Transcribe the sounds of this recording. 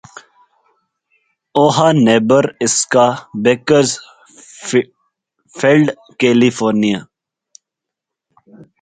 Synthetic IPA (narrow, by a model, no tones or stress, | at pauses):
oːɦaneːbəɾɪskabekəɾz | felɖ | keːlifoːɾnija